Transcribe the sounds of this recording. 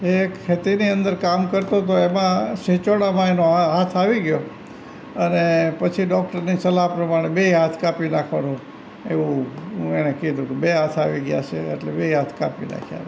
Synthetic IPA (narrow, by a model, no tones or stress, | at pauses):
ekʰːet̪iniənd̪əɾkamkəɾt̪ot̪oemãʃet͡ʃoɽ̃amãenoɦat̪ʰaʋiɡjo | ənepət͡ʃʰiɖɔk̚ʈəɾnisəlapɾəmaɽ̃ebeɦat̪ʰkapinakʰʋanũ | eʋũɦũenekid̪ũt̪ubeɦat̪ʰaʋiɡja̰t͡ʃʰḛːʈlebeɦat̪ʰkapina̰kʰja̰